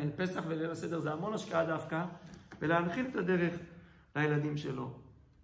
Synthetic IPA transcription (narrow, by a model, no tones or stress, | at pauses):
elpe̞saχvelelase̞d̪e̞ʁzeamo̞naʃkaad̪afkaveleanχilet̪ad̪e̞ʁe̞χ | lajelad̪imʃe̞lo̞